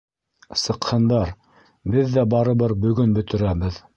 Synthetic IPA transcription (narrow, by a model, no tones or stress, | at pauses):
sɤ̆qhɤ̆nd̪ɑɾ | bɘðːæbɑɾɤ̆βɤɾbɵ̆ɡɵnbɵ̆t̪ɵ̆ɾæβɘð